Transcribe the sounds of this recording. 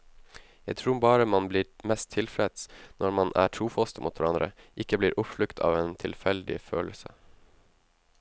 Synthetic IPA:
jæɪt̪ʰɾuːbɑːɾəmɑnbliːɾmɛst̪ʰɪlfɾɛd̪snʔɔɾmɑnʔæ̰ːʈʰɾuːfɔst̪muːt̪ʰʋæɾɑnd̪ɾə̰ʔɪkəbliːɾʔʊpflʉkt̪ʰɑ̰ːʋeːnt̪ʰɪlfɛld̪ɪ̰føːləsə̰

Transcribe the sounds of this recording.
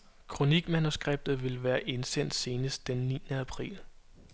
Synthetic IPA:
kʰʁo̝niɡ̥mænusɡ̥ʁeb̥̚d̥ð̩ˠʋe̝lʋæːɐʔe̝nsen̰d̥se̝ːnəsd̥enːḭːnəæpʰʁḭːl

